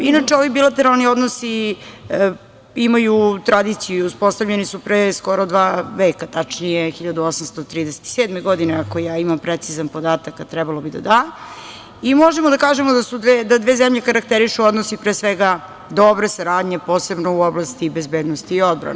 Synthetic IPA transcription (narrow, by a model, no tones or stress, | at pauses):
inat͡ʃeoʋibilˠat̪eɾalˠnio̞d̪nosi | imajut̪ɾad̪iːt̪sijuiuspo̞st̪avʎe̞nisupɾeːsko̞ɾod̪ʋaːʋe̞ːkat̪at͡ʃnijexiʎad̪uosamst̪ot̪ɾiːd̪ese̥t̪i̥seːd̪me̞ɡo̞d̪ineako̞jaːimampɾet̪sizanpo̞d̪aːt̪akat̪ɾɛbalobid̪a̰d̪aː | imo̞ʒemod̪akaːʒemod̪asud̪ʋed̪ad̪ʋezɛmʎe̞kaɾak̚t̪eɾiʃuod̪nosipɾeːsʋeɡa | d̪o̞bɾesaɾaːd̪ɲe̞po̞ːse̞bnouoblast̪ibezbeːd̪nost̪iːo̞d̪̚bɾa̰ne